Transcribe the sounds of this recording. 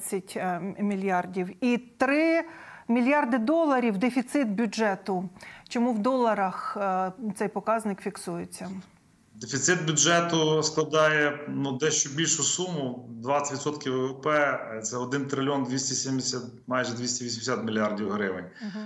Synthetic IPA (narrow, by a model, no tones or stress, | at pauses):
t͡sʲːɐtʲmʲilʲjɑrdʲiwit̪ɾɪmʲilʲjɑrd̪ɪd̪ɔlˠɐɾʲiwd̪efʲit̪sɪt̪̚bʲʊd͡ʒɛt̪ʊt͡ʃɔmuwd̪ɔlˠɐɾɐxt̪sɛjpɔkɑznɪkfʲiksujet͡sʲːɐ | d̪efʲit̪sɪt̪̚bʲʊʒɛt̪ʊsklˠɐd̪ɑjɛnud̪ɛʃt͡ʃɔbʲilʲʃʊsumʊd̪ʋɑt͡sʲɪ̥tʲʋʲit̪sɔt̪kʲiwɛʋɛpɛt̪sɛɔd̪ɪnt̪ɾɪlʲɔnd̪ʲʋʲisʲtʲisʲemʲsʲat̪ | mɑjʒɛd̪ʲʋʲisʲtʲiʋʲisʲmʲɪsʲat̪mʲilʲijardʲiwɦɾɪʋɪ̰nʲ